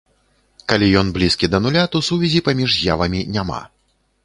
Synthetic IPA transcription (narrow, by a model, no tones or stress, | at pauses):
kalʲijɔnblʲiskʲid̪ɐnulʲat̪ɔwsuvʲɛzʲipamʲiʐja̰vɐmʲinʲama̰